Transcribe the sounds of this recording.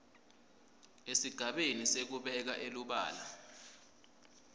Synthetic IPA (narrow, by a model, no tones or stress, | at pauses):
esiɡ̥ʱaɓenisek̬uɓɛk̬aʔeluɓa̰ːla